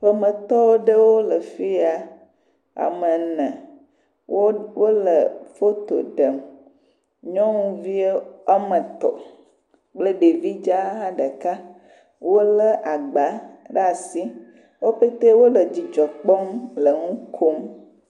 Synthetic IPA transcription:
ɸə˨mə̃˨t̪ɔ˦wo˦ɖə˦wo˦lə˨fi˦a˨ | a̰˨mə̃˨nɛ̃˨ | wo˦wʔo˦lə˨fo˦t̪o̰˨ɖə˨m | ɲɔ̃˦ŋũ˦vi˦e˦a˦mə̃˨t̪ɔ̰˨ | k͡plə˦ɖe˨vi˦d͡ʒa˦a˦ɖə˨ka˦ | wo˦lə˦ʔa˨ɡ͡ba˨˦ɖa˨si˦ | wo˦ɸe˦t̪e˦wo˦lə˨d͡ʑi˨d͡ʒɔ˨k͡pɔ˦mlə˨ŋũ˦kʰo˦m

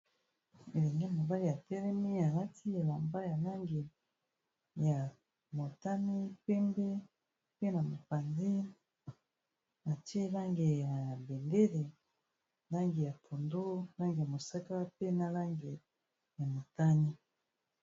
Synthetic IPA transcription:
e˨le˨ŋɡe˦˨mo˨ba˦li˦ja˨tɛ˦ʁɛ˦mi˦a˨la˦ti˦e˨la˨mba˦ja˨na˦ŋɡe˨ | ja˨ | mo˨ta˦ni˦pɛ˦mbe˦ | pe˦na˨mo˨pa˨ndi˦ | na˨te˦la˦ŋɡe˨ja˨be˨nde˦le˨ | la˦ŋɡe˨ja˨tʰo˨ndo˦la˦ŋɡe˨ja˨mo˨sa˦ka˦pe˦na˨la˦ŋɡe˨ | ja˨mo˨ta˦ni˦

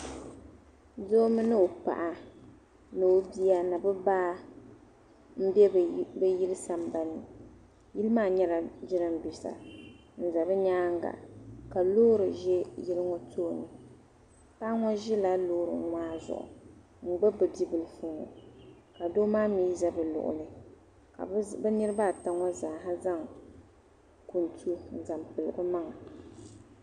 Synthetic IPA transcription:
do˦mɨ˦nɨ˦o˨pa̰˨ʔa˨ | no˨˦bi˦a˦na˨bɨ˦baː˦ | m̩˦bɛ˦bɛ˦ji˦lɨ˦sa˨m˨ba˨nɨ˨ | ji˦lɨ˦maː˦ɲɛ˦la˨d͡ʒɪ˦ɾɨ˦m̩˨bi˨sa̰˨ | n̩˨za˨bɨ˦ɲaː˦ŋ˦ɡa̰˨ka˨loː˦ɾɨ˨ʒɛ˦ji˦lɨ˦ŋɔ˦tʰoː˦˨nɨ˨ | paː˦ŋɔ˦ʒɪ˦la˦loː˦ɾɨ̰˨ŋ˦ŋʷaː˦zʊ̰˨ʔʊ̰˨ | ŋ͡m̩˨ɡ͡bɛ˦bɨ˨di˦bɨ˨lɨ˨fɨ˦ŋɔ̰˨ | ka˨do˦maː˦miː˦za˦bɨ˨lʊ̰˨ʔʊ̰˨lɨ˦ | ka̰˨bɛ˦nɨ˦ɾɨ˦baː˦˨ta˦ŋɔ˦zaː˨ɦa˦za˦ŋ | ku˨n˨tʰu˦n̩˨za˨mpɨ˨lɨ˨bɨ˦ma˦ŋa˨

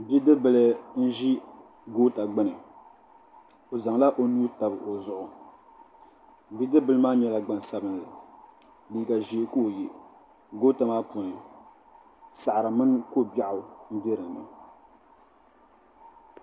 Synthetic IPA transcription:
bi˦dɨ˦bɨ˨lɨ˦n̩˦ʒi˦ | ɡoː˦ta˨ɡ͡bɨ˦nɨ˨ | o˨za˨ŋla˦ʔo˨nuː˦ta˨bɨ˨ʔo˨zʊ˦ʔʊ˨ | bi˦dɨ˦bɨ˦lɨ˦maː˦ɲɛ˦la˦ɡ͡ba˨n˨sa˦bɨ˦n˨la˨ | liː˨˦ɡa˨ʒeː˨˦ko˦˨je˨ | ɡoː˦ta˨maː˦po˨nɨ˨ | sa˨ʔa˨ɾɨ˨mɨ˦n˦ko˦˨ba˦ʔʊ˨m̩˦bɛ˦ɾɨ˨ŋnɨ̰˨

